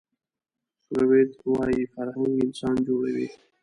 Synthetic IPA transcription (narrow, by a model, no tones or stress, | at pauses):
sowed̪wɑjifaɾhaŋɡɪnsɑnd͡ʒoɽawi